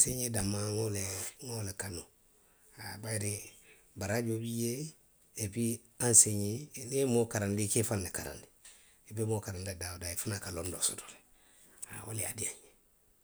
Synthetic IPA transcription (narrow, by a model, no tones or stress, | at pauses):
seɲedamãŋoleŋolekano | abajɾe | baɾaɟobijeː | bi | ãnseɲenemokaɾandikefanlekaɾã̰ndi | ebemokaɾandadaodaefanakalondo̰soto̥le̥ | a̰o̰lea̰diãɲe